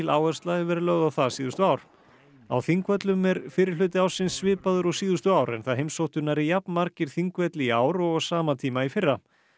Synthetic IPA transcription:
ɪlaːwœrst̪laðɪvɛɾɪlœɣðawθasiːðʏst̪ʏaːwɾ̥ | a̰wθiŋkvœt̪lʏmɛɾfɪːɾɪɾ̥lʏːt̪ɪawsɪnsːvɪːpaðʏɾɔwsiːðʏst̪ʏaːwɾɛ̰nθaðɦejmsowht̪ʏnaɾɪjapnmaɾcɪɾ̥θiŋkvœt̪liaːwɾɔɣsaːmat̪ʰiːmaifɪrːa

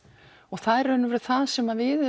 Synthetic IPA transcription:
ɔɣθaðɛɾœnːʏvɛɾʏ̥θaðsɛmavɪð

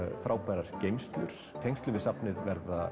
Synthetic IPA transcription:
fɾaːwpajɾaɾ̥cejmst̪lʏɾ̥t̪ʰejŋst̪lʏvɪsapnɪðvɛɾða

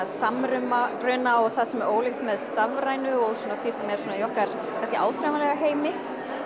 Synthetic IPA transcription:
samɾʏmarœːnaɔɣθasɛmɛɾʔoːwlɪxt̪mɛðst̪avɾaːjnʏɔɣsɔnaθvisɛmɛɾ̥sɔːnajɔhkaɾ̥ | kʰanskɪa̰ːwfɾamalɛɣaɦeːjmɪ

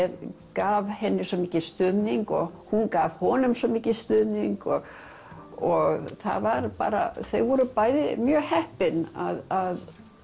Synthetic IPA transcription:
ɛðkaːvhɛnːɪsɔmiːcɪst̪ʏðniŋkɔɣhunkaːv̥hɔːnʏmsɔmiːcɪst̪ʏðniŋkɔɣ | ɔɣθa̰vaɾpa̰ːɾa̰θeɣvɔɾʏpaːjðɪmjœːhɛhpɪna̰ðað

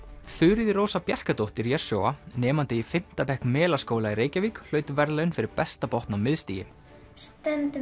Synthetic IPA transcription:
θʏːɾɪðɪɾoːwsapjar̥kat̪owht̪ɪɾjɛɾ̥sjoːwanɛːmant̪ɪifɪm̥t̪apɛhknmɛːlaskoːwlaiɾeːjcaviːkl̥œːɥt̪ʏvɛɾlaʏnfɪɾɪɾpɛst̪apɔht̪nawmɪðst̪ḭːjɪ̰m | st̪ɛnt̪ɪ

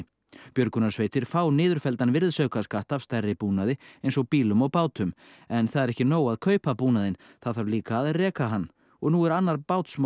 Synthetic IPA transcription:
pjœɾkʏnasvejt̪ɪɾ̥faːwnɪːðʏɾ̥fɛlt̪anvɪɾðsœɥkaskaht̪av̥st̪ɛrːɪpuːnaðɪejnsɔɣpiːlʏmawpaːwt̪ʏm | ɛnθaðɛɾɛhcɪnoːwaðkʰœːɥpapuːnaðɪn | θaðθaɾliːkaːðrɛːkaɦanː | ɔɣnuːɛɾanːaɾpaːwt̪sm

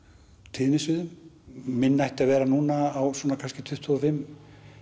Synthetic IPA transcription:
t̪ʰɪðnɪsvɪðʏmmɪnːajht̪avɛːɾanuːnaːwswɔnakʰanscɪt̪ʰʏht̪ʰɔðfɪmː

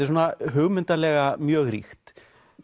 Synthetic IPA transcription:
ɪs̬oːnaɦʏɣmʏnt̪alɛɣamjœːɣɾḭxt̪

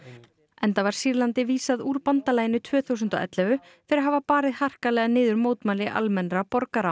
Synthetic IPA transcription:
ɛnθavaɾ̥siɾlant̪ɪviːsaðuːɾpant̪alaːjɪnʏt̪ʰvœːθuwsʏnt̪ɔ̰ʔɛ̰t̪lɛvʏ | fɪɾɪɾɦavapaːɾɪðhar̥kalɛɣanɪːðʏɾmoːwt̪maːlɪʔa̰lmɛnɾapɔɾkaɾa

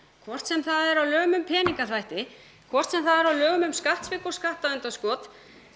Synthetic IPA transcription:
kʰvɔr̥t̪sɛmθaðɛɾawlœːɣʏmʏmpʰɛːniŋkaθvajht̪ɪ | kʰvɔr̥t̪sɛmθaðɛɾawlœːɣʏmʏmskaht̪svɪːkʏɾ̥skaht̪aðʏnt̪askɔːt̪

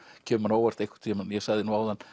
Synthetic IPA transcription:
cʰɛːmanoːwaɾ̥t̪ejhkʰḁɾt̪ʰːɛmanjɛsaɣðɪnuawðan

